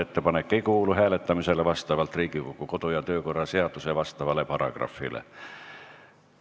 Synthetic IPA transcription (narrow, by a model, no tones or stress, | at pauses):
et̪ːe̞pɑnekːe̞jkuːluɦæːle̞t̪ːˑɑmise̞levɑst̪ɑvɑlt̪riːɡ̥ikokːuko̞d̪̥ujɑt̪ø̞ːko̞rːɑse̞ɑd̪̥usevɑst̪ɑvɑle̞pɑɾɑ̰ɡ̥rɑ̰fːḭlḛ